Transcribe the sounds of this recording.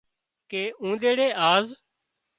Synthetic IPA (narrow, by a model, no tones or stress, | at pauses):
keːʔũːd̪eːɽeːʔaːz